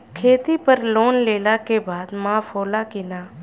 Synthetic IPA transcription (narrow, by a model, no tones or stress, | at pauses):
kʰeːt̪iːpəɾloːnleːlaːkebaːd̪mãːfʰoːlaːkɪnaː